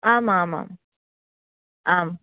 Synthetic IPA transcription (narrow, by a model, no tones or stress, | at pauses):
aːmaːma̰ːm | ʔaːm